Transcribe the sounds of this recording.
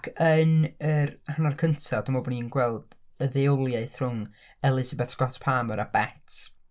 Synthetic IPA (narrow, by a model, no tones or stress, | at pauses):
ɡənərhanarkʰəntʰad̥ɔmɔbɔninɡwɛlˠd̥əðɛɔlˠjaɨθrʊŋ | ɛlˠɪzabɛθskɔtʰpʰaːməɾab̥ɛtʰ